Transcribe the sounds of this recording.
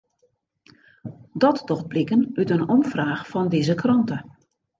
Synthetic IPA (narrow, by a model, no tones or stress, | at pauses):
dɔtdɔxt̚blɪkənytənɔmfraːxfɔndɪzəkrɔntə